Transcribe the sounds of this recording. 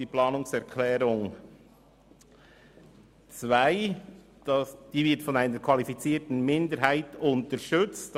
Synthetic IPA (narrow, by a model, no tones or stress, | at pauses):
diːplɑːnʊŋsɛʁkʰlɛːɾʊŋ | t͡svaɪ | d̥ɑd̥iːvɪɾtfɔnaɪnəɾkʰvɑlifit͡siːtn̩mɪndəɾɦaɪtʊntəɾʃʏt͡st